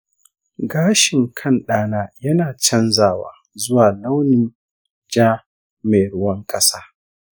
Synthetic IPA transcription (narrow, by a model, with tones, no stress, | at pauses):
ɡaː˦ʃɪ˨ŋkʰɐ˦˨nɗaː˦naː˦jɐ˦naː˨t͡ʃɐ˦nzaː˦˨wa̰ː˨ | zʊ˦waː˨la˦wnɪ˨n | d͡ʒaː˦ | me˨ɽʊ˦wɐ˦ŋkʼɐ˦saː˦